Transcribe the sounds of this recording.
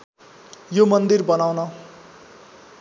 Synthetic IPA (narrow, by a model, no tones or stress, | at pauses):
jomʌnd̪irbʌnawnʌ